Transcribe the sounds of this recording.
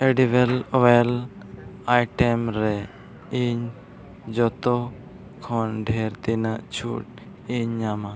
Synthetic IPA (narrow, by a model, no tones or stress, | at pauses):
ɛɖiβɛlwɛl | ajʈɛmɾɛ | iɲ | d͡ʒɔt̪ɔ | kʰɔnɖʱɛɾt̪inaʔt͡ʃʰṵʈ̚ | iɲːama